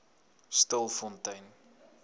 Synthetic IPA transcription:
stəlˠfɔntɐjn

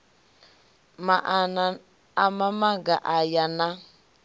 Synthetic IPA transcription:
maʔn | amamaɡaʔajana

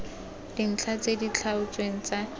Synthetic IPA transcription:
d̥in̩t͡ɬʰat͡sedit͡ɬʰaʊt͡sweŋ̩t͡sa

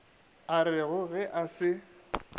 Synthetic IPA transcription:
aɾɪɣʊɣɛʔasɪ

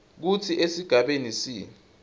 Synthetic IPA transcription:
k̬utʰiʔesiɡ̥ʱaɓenisi

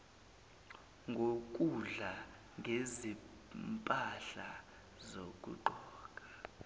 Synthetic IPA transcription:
ŋɡʱok̬ʼuɮa | ŋʱezi | mpʼaɬa̰ | zok̬ʼṵǃɔːk̬ʼḁ

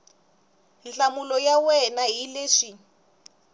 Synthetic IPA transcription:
nt͡ɬamulɔjawɛnaɦileːʂi

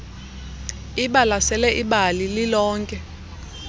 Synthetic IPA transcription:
iɓalasɛlɛʔiɓalililɔːŋkʼɛ

